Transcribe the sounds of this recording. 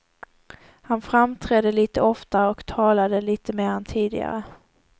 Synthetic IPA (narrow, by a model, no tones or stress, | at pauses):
hanfɾamt̪ʰɾɛd̪əliːt̪əɔft̪aɔkt̪ʰɑːlad̪əliːt̪əmeːɾɛnt̪ʰiːd̪ɪ̰ɡa̰ɾə̰